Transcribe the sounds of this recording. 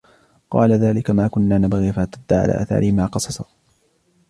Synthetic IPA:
qɑ̰ːlaðaːlɪkamaːkʊnːaːnabɣiːfat̪ad̪ːaʕa̰lʔa̰ːʔa̰ːθa̰ːɾɪhmaːqɑsɑsˤɑ̥

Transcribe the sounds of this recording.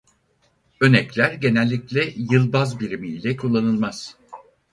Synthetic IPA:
ø̞nɛclʲæɾɟe̞nɛlʲːiclʲɛjɯlˠbazbiɾimiːlʲɛkʰulˠːanɯlˠmaz̥

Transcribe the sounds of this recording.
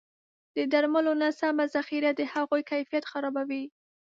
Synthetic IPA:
d̪̥əd̪aɾmalonasamazaxiɾad̪əhaɣojkajfijat̪xaɾɑbawi

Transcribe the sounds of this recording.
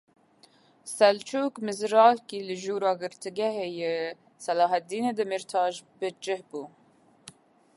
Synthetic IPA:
sɛlt͡ʃʰuːkmɨzɾɑːlkiːlɨʒuːɾɑːɡɨɾt̪ʰɨɡɛɦeːje | sɛlɑːɦɛt̪̚d̪iːned̪ɨmɨɾt̪ʰɑːʒbɨd͡ʒɪhbuː

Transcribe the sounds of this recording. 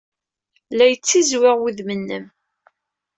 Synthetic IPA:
læjət͡sːizwɪʁwiðmənːəm

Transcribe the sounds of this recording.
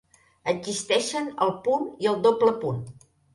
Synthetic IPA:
əɡzist̪ɛʃənəlˠpuniəlˠd̪opləpun

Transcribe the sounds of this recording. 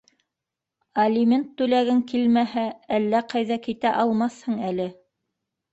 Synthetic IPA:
ɐlʲimʲent̪ːʉlæɡɘŋkilmæɦæælːæqɑjðɑkit̪æʔɑlˠmɑθhɤɴælɘ

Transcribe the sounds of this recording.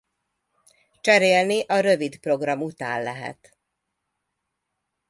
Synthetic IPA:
t͡ʃɛɾeːlniʔɒɾø̞vid̪pro̞ɡrɒmut̪a̰ːnlɛɦɛ̰t̪

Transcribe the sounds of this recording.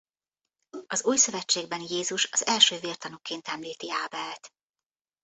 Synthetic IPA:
ɒzuːjsø̞vɛt͡ʃːeːɡ̚bɛnjeːzuʃɒzɛlʃøːvirt̪ɒnukeːnt̪ɛmliːt̪iaːbɛlt̪

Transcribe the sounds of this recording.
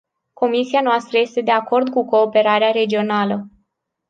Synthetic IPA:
ko̞misianoast̪ɾəje̞st̪e̞d̪e̞ako̞rd̪kuko̞ːpe̞ɾaɾeaɾe̞d͡ʒio̞nalə

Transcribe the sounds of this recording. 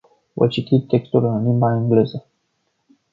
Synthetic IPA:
və̰t͡ʃit̪it̪ːe̞kst̪ulɨnlimbaeŋɡle̞zə

